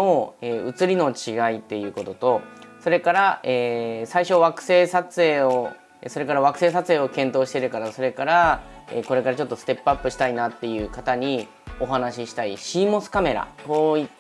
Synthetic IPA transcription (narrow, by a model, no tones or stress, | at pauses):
oeːɯ̟t͡sɨɾʲino̞t͡ɕiɡait̪ːe̞jɯ̟ːko̞t̪o̞t̪o̞so̞ɾe̞kaɾaeːsaiɕo̞βakɯ̟̥se̞ːsat͡sɨeːo | eso̞ɾe̞kaɾaβ̞akɯ̟̥se̞ːsat͡sɨe̞ːo̞kẽ̞nt̪o̞ːɕi̥t̪e̞ɾɯ̟kaɾaso̞ɾe̞kaɾa | ḛːko̞ɾe̞kaɾat͡ɕo̞t̪ːo̞sɨ̥t̪e̞pːɯapːɯ̟ɕi̥t̪ainat̪ːe̞jɯ̟ːkat̪aɲ̟i | o̞ɦanaɕiɕi̥t̪aiɕiːmo̞sɨ̥kame̞ɾa̰t̪oi